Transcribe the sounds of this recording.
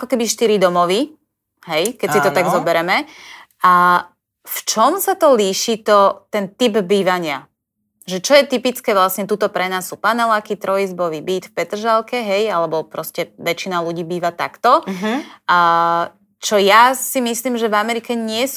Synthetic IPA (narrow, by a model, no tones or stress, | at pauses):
akɔkɛbiʃt̪iɾid̪ɔmɔʋi | ɦɛjkɛt͡sit̪ɔt̪aɡzɔbɛɾɛmɛ | a | ft͡ʃɔmsat̪ɔliːʃit̪ɔt̪ɛnt̪ibbiːʋaɲɪa | ʒɛt͡ʃɔjɛt̪ipit͡skɛːʋlasɲɛt̪uːt̪ɔpɾɛnaːsːupanɛlakit̪ɾɔizbɔʋiːbiːt̪fpɛt̪r̩ʒalkɛɦɛjalɛbɔpɾɔscɛʋɛt͡ʃinaluɟiːbiːʋat̪a̰kt̪ɔ | t͡ʃɔjasimisliːmʒɛvamɛɾikɛɲɪɛs